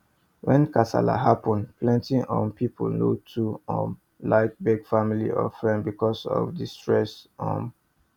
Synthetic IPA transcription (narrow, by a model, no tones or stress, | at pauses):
wɛ̃nkasa̰la̰ɦapɔ̃npʰlɛ̃ntiʔɔ̃mpʰipʰolnotʰuɔ̃m | laɪk̚bɛɡfamilḭɔ̰fɹɛ̃ndbikɔsɔ̰vdistɹɛsɔ̰̃m